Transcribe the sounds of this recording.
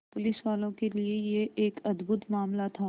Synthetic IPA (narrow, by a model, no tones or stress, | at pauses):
pʊlɪsʋaːlõkeliejeʔeːkɐd̪bʱʊt̪maːmlat̪ʰaː